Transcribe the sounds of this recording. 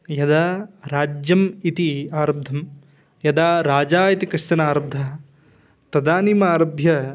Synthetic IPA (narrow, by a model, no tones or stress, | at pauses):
jɐd̪aːɾaːd͡ʒjɐmit̪iaːɾɐb̚d̪ʱɐm | jɐd̪aːɾaːd͡ʒaːit̪ikɪʂt̪ɐnaːɾɐb̚d̪ʱɐ | t̪ɐd̪aːnimɐaːɾɐbʱjɐ